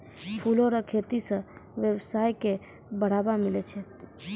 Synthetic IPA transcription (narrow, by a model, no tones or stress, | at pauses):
pʰuloɾakʰet̪isə̃ʋjebsaːjke | bəɽ̤aːbamɪlet͡ʃʰe